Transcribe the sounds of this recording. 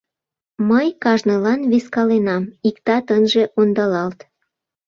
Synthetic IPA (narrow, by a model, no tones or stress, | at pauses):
məjkɑʒnɤlɑnβiskɑlenɑmikt̪ɑt̪ənʒeʔond̪ɑlɑlt̪